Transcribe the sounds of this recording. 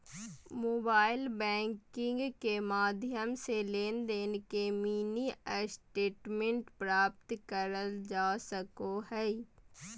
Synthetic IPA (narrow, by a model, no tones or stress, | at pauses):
moːbaːɪlbɛ̃ːŋkɪ̃ŋɡkemaːd̪ʱjəmseleːnd̪eːnekemiːniəsʈeːʈmẽɳʈpɾaːp̚t̪kəɾəld͡ʒaːsəkoɦɛː